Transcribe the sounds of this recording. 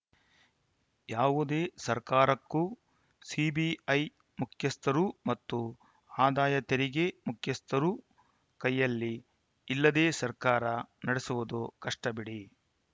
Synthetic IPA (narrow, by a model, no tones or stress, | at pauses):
jaːʋud̪e̞ːsɐɾkaːɾɐkːu | siːbiɐj | mukʰjɐst̪ʰɐɾumɐt̪ːu | aːd̪aːjɐt̪eɾiɡemukʰjɐst̪ʰɐɾu | kɐjːɐlːiː | lːɐd̪eːsɐɾkaːɾɐnɐɽesuʋud̪ukɐʂʈɐbiɽi